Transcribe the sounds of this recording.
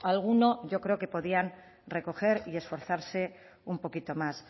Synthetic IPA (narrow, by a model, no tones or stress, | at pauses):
alɣ̞uno̞ʝo̞kɾe̞oke̞po̞ðian | re̞ko̞xe̞ɾie̞sfo̞ɾθaɾse̞ | umpo̞kit̪o̞mas